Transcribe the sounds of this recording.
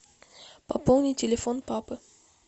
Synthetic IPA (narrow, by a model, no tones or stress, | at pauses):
pɐpolˠnʲitʲelʲefonpapɨ